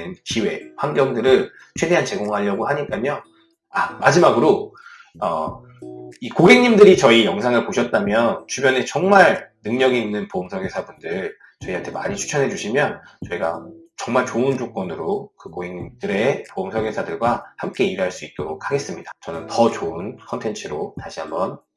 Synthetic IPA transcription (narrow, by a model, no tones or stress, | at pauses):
nt͡ɕiwe̞ɸwaŋɡjʌŋdɯɾɯɭ | t͡ɕʰwe̞de̞ɦant͡ɕe̞ɡoŋɦaʎʌɡohaɲik͈aɲo | amad͡ʑimaɡɯɾo | ʌ̰ | ikoɡe̞ŋɲimdɯɾit͡ɕʌijʌŋsʰaŋɯɭpoɕʰʌt̚t͈amjʌnt͡ɕubjʌne̞t͡ɕʌŋmaɭnɯŋɲʌɡiːnːɯnpoɯmsʰʌɡesʰabundɯɭ | t͡ɕʌiantʰe̞maɲit͡ɕʰu̥t͡ɕʰʌnɦe̞d͡ʑuɕʰimjʌnt͡ɕʌiɡa̰t͡ɕʌŋmaɭt͡ɕoɯnd͡ʑok͈̚ʌnɯɾokɯkoɡeŋɲimdɯɾe̞poɯmsʰʌɡesʰadɯɭɡwahamk͈e̞iɾɦaɭs͈uit̚t͈oɾok̚ʰhaɡe̞s͈ɯmɲidat͡ɕʌnɯntʌt͡ɕoɯnkʰʌntʰe̞nt͡ɕʰɯɾotaɕʰiɦambʌn